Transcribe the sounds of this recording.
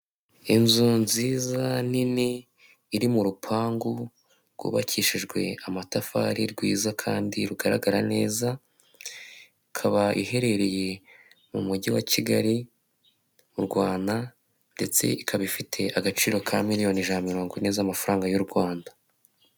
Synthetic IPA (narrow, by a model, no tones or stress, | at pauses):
inzuːnziːzaniniː | ɾimuɾupʰaːŋɡu | ɾɡ̥ṵːβa̰cʰiːʃiʒɡwe̞amatafa̰ːɾiɾɡwiːzakʰaːndiɾuɡaɾa̰ɡaɾane̞ːza | ikʰaβaʔihe̞ɾe̞ɾeje̞ | mumuɟiwat͡ʃiɡaɾi | uɾɡwaːna | nde̞t͡se̞̰ikʰaβifitʰe̞ʔaɡat͡ʃiːɾo̞kʰamiɾijo̞niʒaːnmiɾo̞ːŋɡinezaːmafaɾaːŋɡajuɾɡwaːndḁ